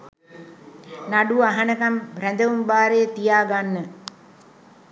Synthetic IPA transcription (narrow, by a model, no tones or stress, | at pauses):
naɖuaɦanəkambrænd̪əʋumbaːɾejət̪ijaːɡanːə